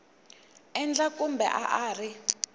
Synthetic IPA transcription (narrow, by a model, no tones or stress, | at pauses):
ɛnd͡ɮakumbɛ̰ʔaʔaːri